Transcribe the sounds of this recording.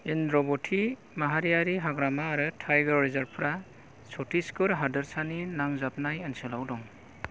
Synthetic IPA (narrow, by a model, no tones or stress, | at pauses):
indɾɔbɔtʰi | maɦaɾijaɾiɦaɡɾamaːɾɯtʰajɡɔɾɾizaɾpʰɾa | sɔtʰiskɯɾɦadɯɾsaninaŋzap̚najanselawdɔŋ